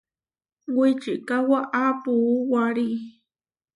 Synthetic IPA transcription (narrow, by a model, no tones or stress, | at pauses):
wit͡ʃiʔkawaʔapuwaɾi